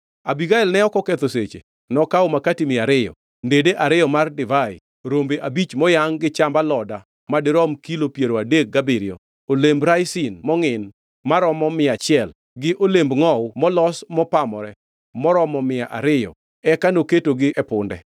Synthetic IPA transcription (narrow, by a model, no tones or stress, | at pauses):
abiɡaɪlnɛɔkɔket̪oset͡ʃḛ | nɔkaomakatimɪaɾɪjɔ̰ | ndedeʔaɾɪjɔmardɪvaɪ | ɾombeʔabit͡ʃmɔjaŋɡɪt͡ʃambalɔda | madɪɾɔmkilopjeɾoadek̚ɡabɪɾjo̰ | olembɾajsɪnmɔŋɪn | maɾɔmɔmɪat͡ʃɪɛl | ɡɪʔolembŋɔwmɔlɔsmɔpamɔɾɛ | mɔɾɔmɔmɪaʔa̰ɾɪjɔ̰ | ɛkanoketoɡɪʔɛpʊndɛ